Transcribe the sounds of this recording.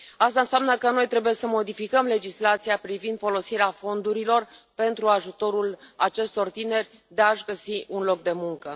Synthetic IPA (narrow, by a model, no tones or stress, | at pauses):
ast̪ansʲamnəkəno̞jt̪ɾe̞buje̞səmo̞d̪ifikəmle̞d͡ʒislat̪siapɾivind̪fo̞lo̞siɾeafo̞nd̪uɾilo̞rpe̞nt̪ɾuaʒut̪o̞ɾulat͡ʃe̞st̪o̞rt̪ine̞rʲ | d̪e̞aʃɡəsiʔunlo̞k̚d̪e̞muŋkə